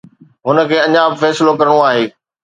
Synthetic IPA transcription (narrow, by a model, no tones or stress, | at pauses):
ɦʊnə̆kʰeːɐ̃ɲãːbɪfɛːsɪlokɐɾəɽ̃oaːɦeː